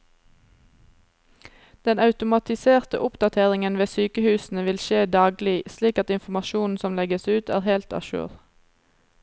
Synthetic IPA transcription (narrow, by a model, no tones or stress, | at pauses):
d̪̥ɛnɑʉt̪ʊmɑt̪ɪseːʁt̪əʔʊpd̪ɑt̪ʰeːʁɪŋənʋeːsyːkəhʉːsn̩əʋɪlʃeːd̪ɑːɡlɪsliːkɑt̪ɪnfmɑʃuːn̩sɔmlɛɡəsʉːt̪æːʁhɛlt̪ɑ̰ʃʉ̰ːʁ